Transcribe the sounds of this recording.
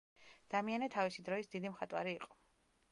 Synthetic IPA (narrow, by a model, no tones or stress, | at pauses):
d̪̥amianɛt̪ʰavisid̪ɾɔisd̪id̪imχat̪ʼwa̰ɾiːqʼɔ̥